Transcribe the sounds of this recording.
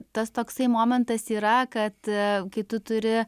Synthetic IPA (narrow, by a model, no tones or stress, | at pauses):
t̪ɐst̪oːksɐɪmoːmʲɛnt̪ɐsiːɾɐkɐt̪kɐɪt̪ʊt̪ʊɾʲɪ